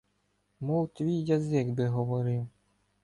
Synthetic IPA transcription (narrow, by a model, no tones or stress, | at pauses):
mɔwˠt̪ʲʋʲijːazɪkbɪɦɔʋɔɾɪw